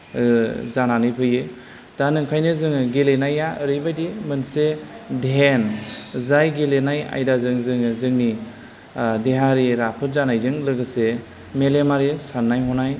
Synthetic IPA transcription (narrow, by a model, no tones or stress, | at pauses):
zananɯjpʰɯjɯ | d̥anɯŋkʰajnɯzɯŋɡelenajaɾɯjbajdimɯnsedenzajɡelenaja̰jdazɯŋzɯŋzɯŋni | deɦaɾiɾapʰɯtzanajzɯŋlɯɡɯse | melemaɾisanːajɦɔnaj